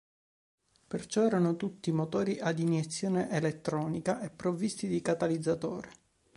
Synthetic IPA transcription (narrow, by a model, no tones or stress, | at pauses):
pert͡ʃɔɛːɾanot̪ut̪ːimot̪oːɾiʔad̪injet̪sːjoːneʔelet̪ːɾɔːnikaʔepːɾovːist̪id̪ikat̪alid̪zːat̪oːɾe